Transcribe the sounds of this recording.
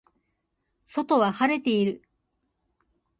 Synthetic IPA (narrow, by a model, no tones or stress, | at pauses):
so̞t̪o̞βahaɾe̞t̪e̞iɾɯ̟